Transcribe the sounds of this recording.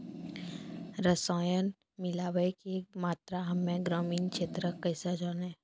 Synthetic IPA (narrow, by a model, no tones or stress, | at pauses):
ɾəsaːjən | mɪlaːʋəjkemaːt̪ɾaɦɐmːẽɡɾaːmiːnʃʰeːt̪ɾəkəɪsad͡ʒaːnẽː